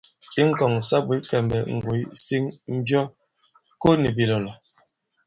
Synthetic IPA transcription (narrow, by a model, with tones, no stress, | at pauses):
i˦ŋ̩˦˨kɔ˨ŋ˨sa˦bwi˨˦kɛ˨mbɛ˨ŋ̩˨ɡwu˨˦si˦ŋm̩˦bjɔ˦ | ko˦ni˨bi˨lɔ˨lɔ˨